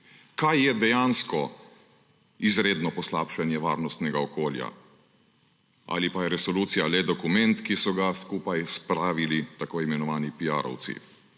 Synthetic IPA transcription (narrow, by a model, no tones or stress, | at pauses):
kajːɛd̪ɛjanskɔ | izɾeːd̪nɔpɔsla̰ːpʃanjɛʋa̰ːɾnɔst̪nɛɡaɔkoːlja̰ | ʔa̰lipajɛɾɛsɔluːt̪sijalɛd̪ɔkumɛnt̪kisɔɡaskuːpajspɾaːʋilit̪akoːimɛnɔʋaːnipija̰ːɾɔ̰w̪sḭ